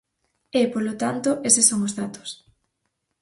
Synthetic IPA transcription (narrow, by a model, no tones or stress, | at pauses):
ɛpolot̪ant̪oʔesɪsoŋozðat̪o̥s